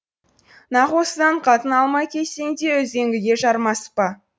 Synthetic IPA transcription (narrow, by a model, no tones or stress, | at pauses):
nɑʁwo̞səd̪ɑɴqʰɑt̪ənɑlˠmɑjkʲʰe̞seŋd̪e̞wɵze̞ŋɡʲɪɡʲe̞ʃɑɾmɑspə